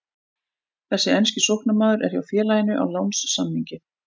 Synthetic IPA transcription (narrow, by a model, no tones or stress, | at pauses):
θɛsːɪɛnscɪsohknamaːðʏɾɛ̰ɾ̥jawfjɛːlajɪnʏʔa̰wlawnsːamhiɲcɪ